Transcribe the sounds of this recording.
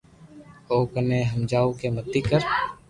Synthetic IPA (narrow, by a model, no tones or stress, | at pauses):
oːkəneːɦəmd͡ʒaːukemət̪ːikəɾ